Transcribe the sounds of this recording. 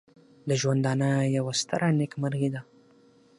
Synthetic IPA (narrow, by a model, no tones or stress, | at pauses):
d̪əʒwand̪ɑnajawast̪aɾʔanɪkmaɾɣid̪a